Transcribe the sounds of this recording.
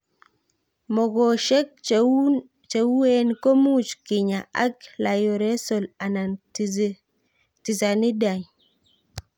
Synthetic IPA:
mɔ˨ɡɔ˨ʃɛ˦k̚ | t͡ʃe˨wu˦e˦nko˦mu˦t͡ʃki˨ɲa˨a˦kla˨jo˨ɾe˦so˨la˨na˨n | ti˨sa˨ni˦da˨ɲ

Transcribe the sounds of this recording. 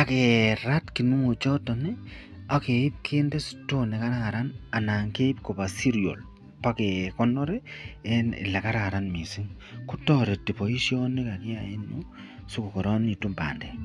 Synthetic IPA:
a˨keɾa˦tki˨nu˦ŋo˨t͡ʃɔ˦tɔ˨ni˦ | a˨ke˨i˦p̚kʰe˦nde˦su̥to˦nɛ˨ka˦ɾa˦ŋa˨ɾa˦na˨na˨ŋke˦i˦pko˨pa˨si˦ɾio̰˨l | pa˦ke˨kɔ˦nɔ˦ɾe˦ɛ˦nɪ̰˨la˨ka˦ɾaaɾa˦nmi˨si˦ŋ | ku˦tɔɾe˨ti˨po˨i˦sjo˦ni˦ka˨ki˦a̰˨je˦no | su˦ku˨kɔ˨ɾɔ˦ni˨tu˦mba̰ː˨ndɛ˨

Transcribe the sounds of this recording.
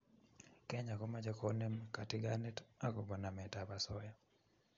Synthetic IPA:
kɛ˦ɲa˨kɔ˦mad͡ʒa˦kɔne˦mka˨tɪ˦ɡanɛ˦ta˦kɔ˨bɔ˨na˨mɛ˨tapa˨sɔ˦ja˨

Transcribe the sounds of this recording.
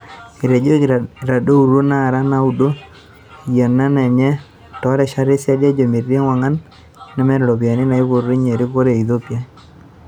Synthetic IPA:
i˨ɾe˨d͡ʒo˦˨ɾa˨do˦u˨ɾo˦na˦˨ɾa˦na˦u˨do˦˨ | ja˨nːa˦nɛ˨ɲɛ˦ | tɔ˨˦ɾɛ˨ʃa˦ɾe˦sa˦dja˦d͡ʒo˨mi˨rːe˦ŋwa˨ŋa˦nː | ɛ˦mɛ˦ɾlo˨pja˨nɪ˦na˨i˦ko˨ɾɾi˦ɲe˨ɾɪ˦ko˦ɾe˨i˨ðo˦pja˦

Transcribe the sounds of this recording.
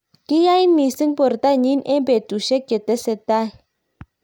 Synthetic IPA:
ki˦ja˦i˦nmi˨si˦ŋpɔ˨rt̪aɲi˦nʔe˦mbe˨d̪̥u˨ʃe˦ɡ̥e˨t̪ɛ˦se˧t̪a

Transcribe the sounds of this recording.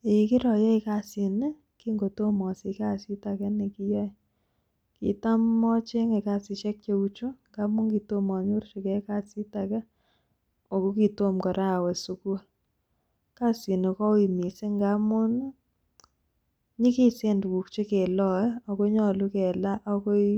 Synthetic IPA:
e˨˦kɪ˦ɾɔ˨jɛ˦i˦ka˦si˨ne˦ | ki˦ŋɡo˨to˦mɔ˨sɪ˨ka˦si˦ta˨kɛ˦ni˨ki˦jɔ˦ | kḭ˨ta˦mːɔ˦t͡ʃe˦ŋe˨ka˦sɪ˧t͡ʃɛ˦k̚t͡ʃe˧u˦t͡ʃu˦ŋɡa˦mʊ˦ŋki˨to˦mɔ˨ɲo˦rʃi˨kɛ˦ka˦˨si˦ta˨kɛ˦ | ɔ˨ko˦ki˨to˦mkɔ˨ɾʔa˦˨wɛ˨su˨ku˦ | ka˦si˨ne˨kɔ˦wi˨mi˨si˦ŋɡa˦mʊ˦n | ɲi˦ki˦se˦ndwu˨kt͡ʃe˦kɛ˨lɔ˦˨˦ɔ˨ko˦ɲɔ˨lu˦kɛ˨la˦ʔɔ˦ko˦i˦

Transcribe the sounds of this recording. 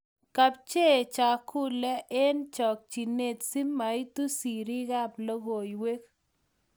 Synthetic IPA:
ka˨p̚t͡ʃe˦˨t͡ʃa˨kʰu˦lɛ˦ʔe˦nt͡ʃɔ˨k̚t͡ʃi˨ne˦˨t̪si˦mːa˨i˦t̪u˦si˨ɾi˦ɣa˦plo˦ɣo˨i˨we˦k

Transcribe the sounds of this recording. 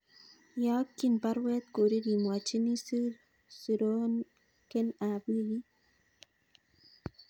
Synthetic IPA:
jɔ˦kːi˨npa˦ɾwɛ˦t̪̚ko˨ɾi˦ɾi˨mwa˨t͡ʃi˦ni˦si˦ɾ | su˨ɾo˦n | ke˦na˨bi˦ji˦

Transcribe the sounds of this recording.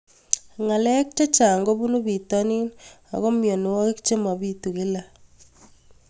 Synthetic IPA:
ŋa˨lɛ˦k̚t͡ʃe˦t͡ʃaː˨ŋɡo˦βu˦nu˦βi˨ta˦ni˦n | a̰˨ɣɔ˦mjɔ˨n˨wɔ˦ɣe˦kt͡ʃe˦ma˨βi˦tu˨ke˦la˦

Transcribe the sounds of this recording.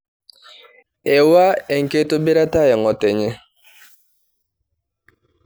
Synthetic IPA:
ɛ˨wa˦ɛ˨ŋ̩˨ke˦to˦be˦ɾa˦ta˦jɛ˨ŋɔ˨tɛ˨ɲɛ˦

